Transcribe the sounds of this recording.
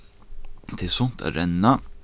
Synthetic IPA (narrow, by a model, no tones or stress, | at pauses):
t̪ʰɪsɔnt̪ʰæ̰ɾɛnːɑ